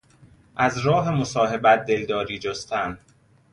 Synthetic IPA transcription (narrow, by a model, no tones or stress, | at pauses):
ʔæzɾɒːɦe̞mosɒːɦe̞bæt̪̚d̪e̞ld̪ɒːɾiːd͡ʒost̪æn